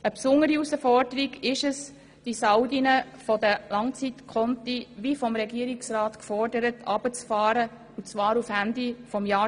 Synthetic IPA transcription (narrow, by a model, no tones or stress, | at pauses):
əpsʊŋːəɾiusəfɔrdəɾiɡɪʃəs | d̥isaʊdinə | fɔd̪əlɑŋt͡sit̪kʰɔnt̪iʋifɔmɾɛɡiːəɾiksɾɑːt̪kfɔrdəɾətɑb̥ət͡sfɑːɾə | ʊt͡svɑːɾufhænd̪ifɔmjɑː